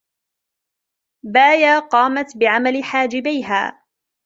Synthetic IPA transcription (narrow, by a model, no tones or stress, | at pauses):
baːjaːqɑːmat̪bɪʕamalɪħaːd͡ʒɪbajɦa̰ː